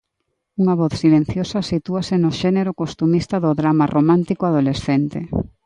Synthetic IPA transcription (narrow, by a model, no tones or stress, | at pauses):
uŋaβɔθsilen̟θjosɐsit̪uasenoʃeneɾokost̪umist̪ɐðoðɾamarʔomãnt̪ikoaðolesθent̪e